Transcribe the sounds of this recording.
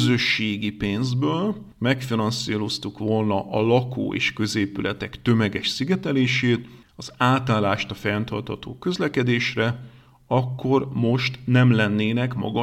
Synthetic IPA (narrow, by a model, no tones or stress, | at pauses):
zø̞ʃːeːɡipeːnzbøːl | mɛkfinɒnsiːlo̞st̪ukʋo̞lnɒʔɒlɒkʰo̰ːʔḛːʃkø̞zeːpylʔɛt̪ɛkt̪ø̞mɛɡɛʃsiɡɛt̪ɛleːʃeːt̪ | ɒz̥aːt̪aːlːaːʃt̪ɒfɛnt̪ɒ̰rt̪hɒt̪o̰ːkø̞zlɛkɛd̪eːʃrɛ | ɒkːo̞rmo̞ʃt̪nɛmlɛnːeːnɛkmɒ̰ɡɒ